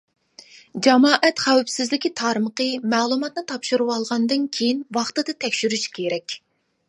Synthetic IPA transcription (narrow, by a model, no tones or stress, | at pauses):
d͡ʒɑmɑːʔɛt̪χæwpsɪzlɪkʲit̪ʰɑɾməqəmɛːlˠumɑt̪̚nɨt̪ʰɑpʃuɾuwɑlˠʁɑnd̪ɨnkʲʰejinwɑχt̪ɨd̪ɨt̪ʰɛkʲʃyɾyʃkʲʰeɾɛkʲ